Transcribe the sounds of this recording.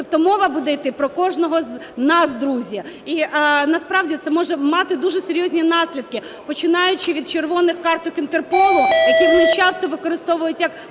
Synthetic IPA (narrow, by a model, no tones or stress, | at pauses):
t̪ɔp̚t̪ɔmɔʋɐbud̪ɛjt̪ɪpɾɔkɔʒnɔɦɔznɑsd̪ɾuzʲjɐ | iʔnɐspɾɑʋdʲit̪ɛmɔʒɛmɑt̪ɪd̪uʐɛseɾʲjɔzʲnʲinɑsʲlʲid̪̚kɪ | pɔt͡ʃɪnɑjʊt͡ʃɪʋʲid̪̚t͡ʃerʋɔnɪxkɑrt̪ʊkɪnt̪erpɔlˠʊjɐkʲimnɪt͡ʃɑst̪ɔʋɪkɔɾɪst̪ɔʋʊjʊtʲjɐk